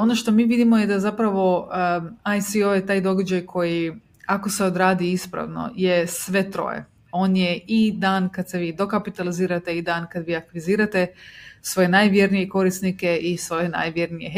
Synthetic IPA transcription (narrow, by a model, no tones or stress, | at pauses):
o̞no̞ʃt̪o̞miːʋid̪imojed̪azapɾaʋo̞ | ajsiojet̪aːjd̪o̞ɡad͡ʒajkʰo̞ji | ako̞se̞o̞d̪ɾaːd̪iispɾa̰ʋno̞̰jesʋe̞t̪ɾo̞̰ːjḛ | o̞ːnjeid̪aːnkad̪seʋiːd̪o̞kapit̪aliziːɾat̪eid̪aːnkad̪ʋiːakʋiziːɾat̪e̞sʋo̞je̞najʋjeɾnijeko̞ɾisnikeʔisʋo̞jena̰jʋje̞ɾnije